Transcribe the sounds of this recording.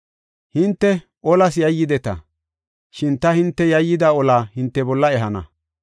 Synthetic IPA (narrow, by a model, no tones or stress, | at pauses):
hɪnt̪ːɛ | ʔɔlɐsjɐjːɪd̪ɛt̪ɐ̰ | ʃɪnt̪ɐhɪnt̪ːɛjɐjːɪd̪aɔlaːhɪnt̪ːɛbɔlːɐɛɦɐnɐ̰